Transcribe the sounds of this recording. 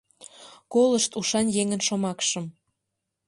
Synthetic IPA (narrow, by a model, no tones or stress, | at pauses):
koləʃt̪uʃɑnjeŋənʃomɑkʃə̆m